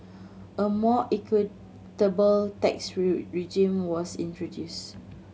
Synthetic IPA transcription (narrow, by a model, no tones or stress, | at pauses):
ʔəmɔʔɛkʰwi | təbəltɛksɹid͡ʒĩmwɔsḭ̃ntɹodjus